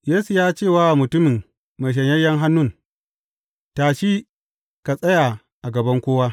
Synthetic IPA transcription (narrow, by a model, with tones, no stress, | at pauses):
jeː˦su˨jaː˦t͡ʃeː˦˨waː˦ʔmʊ˨tʊ˦mɪ˨ŋ | ma˨ʃ̬ɐ˨ɲjɐ˦jːɐ˦ŋɦa˦nːʊ˦˨n | taː˨ʃiː˦ | ka˨sʼɐ˦ja˨ | ʔa˨ɡɐ˨bɐ˦ŋkʷoː˦waː˦